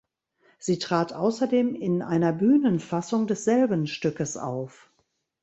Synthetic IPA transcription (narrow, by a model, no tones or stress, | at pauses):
z̥iːtʁ̥aːtʔaʊsɐdeːmɪnʔa̰ɪnɐbyːnənfasʊŋdɛsz̥ɛlbən̩ʃtʏkəsa̰ʊf